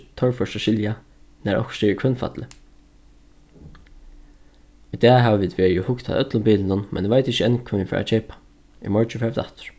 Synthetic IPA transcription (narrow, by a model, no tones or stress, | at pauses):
t̪ʰɔɹfœtaʃɪlja | næɹʔɔ̰hksɛːɹkʰœnfa̰t̪lɪ | id̪ɛːɦæʋaʋiːd̪ʋeːɹiɪhʊkt̪ʰa̰ðœt̪lʊmbiːlɪnʊnmʔɛ̰nʋaɪt̪ɪçəɛnkʰʊɪnfɛ̰ːɾa̰t͡ʃʰɛːpḁ | ḭmɔɹt͡ʃɪfɛd̪a̰ht̪ʏ̥ɹ̥